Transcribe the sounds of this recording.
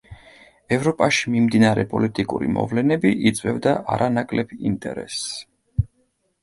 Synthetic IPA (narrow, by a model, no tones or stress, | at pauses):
ɛvɾɔpʼaʃi̥mimd̪inaɾɛpʼɔlit̪ʼikʼuɾḭmɔ̰vlɛnɛbiʔit̪sʼwɛvd̪aʔaɾanakʼlɛbḭnt̪ʼɛ̰ɾɛ̰s